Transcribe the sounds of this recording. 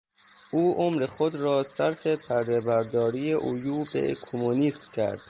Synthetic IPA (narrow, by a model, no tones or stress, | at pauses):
ʔuːʔomɾexod̪ɾɒːsæɾfepʰæɾd̪ebæɾd̪ɒːɾiːjeʔojuːbḛkʰomuniːsmcʰæ̰ɾd̪̥